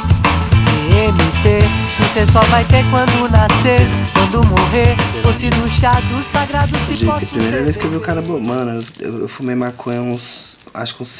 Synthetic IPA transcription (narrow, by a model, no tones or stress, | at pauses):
emit̪evosesɔvajt̪eɾkwɐ̃nd̪ʊnaseɾkwɐ̃nd̪ʊmoɦeɾfosid̪uʃad̪ʊsaɡɾad̪ʊsid͡ʒɔɐpɾimejɾɐveskɪewviʊkaɾɐbomɐ̃nʊewḛwḛwfumejmakʰõẽũs | a̰ʃʊ̥kũs